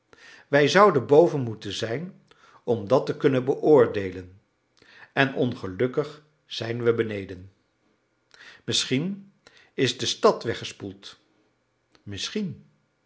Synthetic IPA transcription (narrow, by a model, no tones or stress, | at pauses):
ʋɛjzʌwdəbowvənmutənzɛjn | ɔmdɑtəkɵnənbəʔʊːɹdejlən | ɛnʔɔnχəlɵkəχ | z̥ɛjnʋəbənejdən | mɪsχin | ɪzdəstɑtʋɛχəspulˠt | mɪsχin